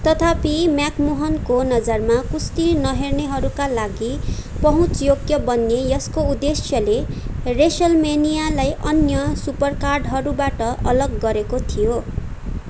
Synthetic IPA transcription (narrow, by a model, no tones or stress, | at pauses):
t̪ʌt̪ʰapimjakmoɦʌnkonʌd͡zʌrmakust̪inʌɦerneɦʌɾukalaɡipʌɦũt͡sjoɡjʌbʌnːejʌskoud̪esjʌleresʌlmenijalajʔʌnjʌsupʌrkarɖɦʌɾubaʈʌʔʌlʌɡːʌɾekot̪ʰijo